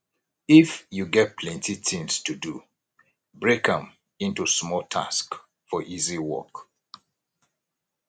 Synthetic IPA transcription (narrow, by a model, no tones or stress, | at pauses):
ifjuɡɛt̚pʰlɛ̃ntitĩŋstʰudu | bɹekə̃m | ĩntusmɔltʰa̰sk | fɔʔiziwɔ̰k